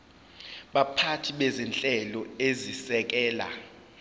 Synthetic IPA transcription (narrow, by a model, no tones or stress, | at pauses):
ɓapʰatʰiɓɛzɛnt͡ɬʼɛlɔezisɛk̬ɛːla̰